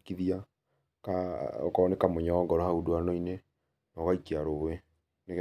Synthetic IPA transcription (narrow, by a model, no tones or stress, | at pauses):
kiðia | kaɔ̰kɔnekamoɲaɔŋɡɔɾɔhaudoanɔine | nɔɣaikiaɾowe | nek